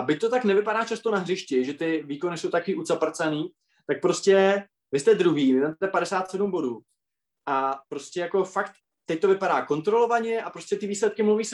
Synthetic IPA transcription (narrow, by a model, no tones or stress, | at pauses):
ʔabɪc̚t̪ot̪aknɛvɪpaɾaːt͡ʃast̪onaɦrɪʃcɪʒɛt̪ɪviːkonɪsowt̪akoviːʔut͡sapr̩t͡saniː | t̪ak̚pɾo̞scʲɛ | vɪst̪ɛd̪ɾuɦiːmɪnamt̪ɛpaɾɛsaːt̪sɛdumbo̞duː | ʔapɾo̞scʲɛjako̞fakt̪ː | ɛc̚t̪o̞vɪpaɾaːko̞nt̪ɾo̞lo̞vaɲɛʔapɾoscɛt̪ɪviːslɛt̪kɪmluviːs